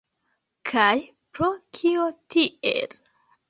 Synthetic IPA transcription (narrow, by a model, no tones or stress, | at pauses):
kʰaj | pɾokʰiotiḛl